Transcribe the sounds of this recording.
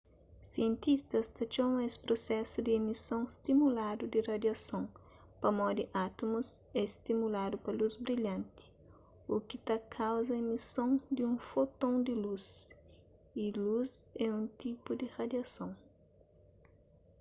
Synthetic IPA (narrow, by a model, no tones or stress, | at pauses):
siẽnt̪ist̪ɐst̪ɐt͡ʃomɐ̃espɾosɛsʊd̪ɪemisõŋst̪imulad̪ud̪irɐd̪jɐsõŋ | pɐmɔd̪ɪʔat̪omusɛst̪imulad̪ʊpɐluzbɾiʎɐ̃nt̪ɪ̥ | ukɪt̪akʰawzɐemisõŋd̪ɪũfot̪õŋd̪ɪluz | iluzɛũnt̪ipud̪ɪrad̪jɐsõŋ